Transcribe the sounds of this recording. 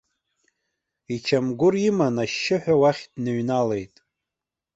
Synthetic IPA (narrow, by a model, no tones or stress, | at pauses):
it͡ʃʰamɡʷʊrimanaʃːɪħʷᶣawaχʲdnɨɥnale̞jtʼ